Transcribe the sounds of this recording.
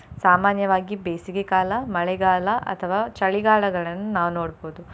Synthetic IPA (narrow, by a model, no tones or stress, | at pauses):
saːmaːnjɐʋaːɡibeːsiɡekaːlɐmɐɭɛɡaːlɐʔɐ̰t̪ʰɐʋaːt͡ʃɐɭiɡaːɭɐɡɐɭɐnːunaːʋunoːɽboːd̪u